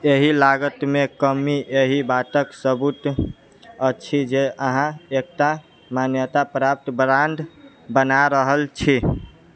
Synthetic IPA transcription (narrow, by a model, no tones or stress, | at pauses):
eɦilaɡət̪mekəmiʔeɦibat̪əksəbut̪ | ət͡ʃʰid͡ʒeʔəɦãek̚ʈa | manjət̪apɾap̚t̪bɾãɳɖ | bənaɾəɦəlt͡ʃʰi